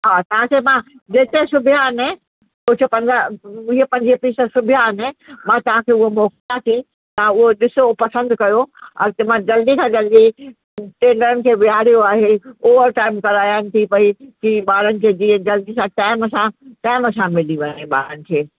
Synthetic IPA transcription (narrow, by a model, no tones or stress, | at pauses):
ɦaːt̪ɐɦãkʰemã | d͡ʑeːt̪esʊbʱjaɦɐnɪ | ʊt͡ɕʰəpɐ̃ɲd͡ʑaɪɦepɐ̃ɲd͡ʑipiːsəsʊbʱjaɐnɪmãt̪ɐʋ̤ãkʰeːʊɦomɔːklat̪ʰĩ | t̪ɐãʊɦoɗɪsopɐsə̃nd̪kɐjoɐ̰t̪emãd͡ʑɐld̪ikʰãd͡ʑɐlɗi | ʈẽːɳɖəɾənɪ̆kʰeːʋiɦaːɾijoaːɦeoːʋəɾʈaːɪmkɐɾaːjənɪ̆t̪ʰipɐikiːɓaːɾənɪ̆kʰeːd͡ʑiːɦd͡ʑɐld̪isãʈaːɪmsãʈaːɪməsãmɪliʋɐɲeɓa̰ːɾənɪ̆kʰeː